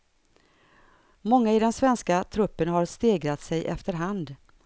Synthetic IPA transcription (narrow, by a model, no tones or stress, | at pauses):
mɔŋːaɪd̪ɛnsvɛnskat̪ʰɾɵpːənɦaɾst̪eːɡɾat̪sɛjʔɛ̰ft̪əɾɦand̪